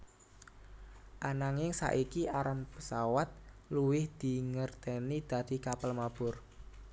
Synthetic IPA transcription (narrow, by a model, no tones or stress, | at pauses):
ʔanaŋɪŋsa̰ʔikiʔaɾanpəsawat̪̚luwɪhd̪̥i̤ŋərt̪ɛnid̪̥a̤d̪̥i̤kapəlmab̥ʊr